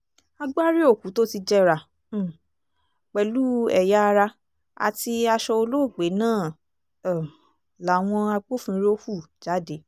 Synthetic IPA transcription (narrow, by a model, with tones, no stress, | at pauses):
a˧ɡ͡ba˦ɾi˦o˦˨ku˨˦to˦ti˧d͡ʒɛ˦ɾa˨˦˨ | k͡pɛ˨lu˦ɛ˨ja˦a˧ɾa˧ | a̰˨ti˧a˧ʃɔ˧o˧lo˦˨ɡ͡be˨˦nãː˦˨ | la˨˦˨w̃ɔ̃˧a˧ɡ͡bo˦˨fĩ˧˦ɾo˦hu˦˨ | d͡ʒa˨˦de˨˦